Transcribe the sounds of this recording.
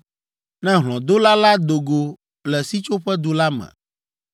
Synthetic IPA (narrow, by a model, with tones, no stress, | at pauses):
nɛ̃˦ɦlɔ̃˨d̪o˦la˦la˦d̪o˨ɡo˨ | lɛ˨si˦t͡ʃo˦ɸɛ˦d̪u˦la˦mɛ̰̃˨